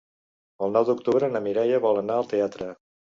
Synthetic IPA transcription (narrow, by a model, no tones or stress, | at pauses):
əlˠnɔwd̪uk̚t̪uβɾəːnəmiɾɛjəβɔlˠənaəlˠt̪eat̪ɾə